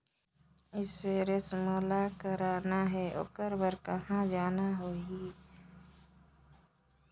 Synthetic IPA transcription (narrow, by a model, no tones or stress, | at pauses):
ɪseɾɪsmoːlakəɾaːnaɦɛʔʊ̰kəɾbəɾkəɦãd͡ʒaːnaɦoːi